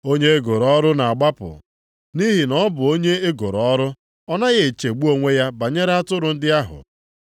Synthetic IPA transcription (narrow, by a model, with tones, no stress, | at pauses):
o˦ɲe˦e˦ɡo˨ɾɔ˦ɾʊ˦na˨a˨ɡ͡ba˦pʊ̰˨ | ni˦ɦi˨nɔ˦bʊ˨o˦ɲe˦e˦ɡo˨ɾɔ˦ɾʊ˦ | ɔ˦na˦ɣe˨t͡ʃe˨ɡ͡bu˦o˦ŋʷe˦ja˦ba˨ɲe˦ɾa˦tʊ˦ɾʊ˨n̩˦dɪ˦a˦ɦʊ̰˨